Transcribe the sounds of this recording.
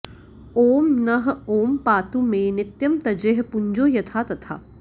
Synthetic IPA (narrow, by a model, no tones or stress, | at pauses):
oːmnɐɦoːmpaːt̪umẽnɪt̪jɐmt̪ɐd͡ʒeɦpʊɲd͡ʒoːjɐt̪ʰaːt̪ɐt̪ʰa̰ː